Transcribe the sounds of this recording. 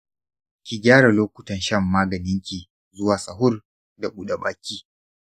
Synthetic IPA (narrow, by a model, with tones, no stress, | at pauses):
kʲi˨ɡʲaː˦ɽa˨loː˦kʷʊ˨tɐ˦nʃɐ˦mːaː˦ɡɐ˨nɪ˦ŋkʲi˨ | zʊ˦waː˨sɐ˨ɦʊ˦r | da˨ɓʷu˦ɗa˨baː˨kʲiː˦